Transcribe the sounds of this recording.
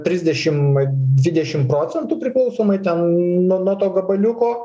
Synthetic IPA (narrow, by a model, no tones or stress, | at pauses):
t̪ʲɾʲɪzʲd̪ʲɛʃʲɪmd̪ʲʋʲɪd̪ʲɛʃʲɪmpɾoːt͡s̪ʲɛnt̪uːpʲɾʲɪklˠɐʊsoːmɐɪt̪ʲɛnnuɔnuɔt̪oːɡɐbɐlʲʊkoː